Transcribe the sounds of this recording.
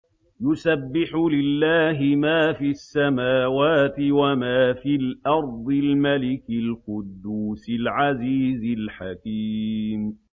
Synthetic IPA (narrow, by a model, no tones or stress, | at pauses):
jʊsabːɪħlɪlːaːɦɪmaːfiːasːamaːwaːt̪ɪwamaːfiːlʔɑɾˤd̪ˤɪlmalɪkɪlqʊd̪ːuːsɪlʕaziːzɪlħakiːm